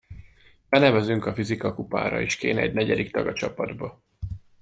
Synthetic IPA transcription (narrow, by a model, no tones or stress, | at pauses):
bɛnɛvɛzyŋkɒfizikɒkupa̰ːɾɒ̰eʃkeːnɛ̰ɟnɛɟɛd̪ikt̪ɒɡɒt͡ʃɒpɒd̪bɒ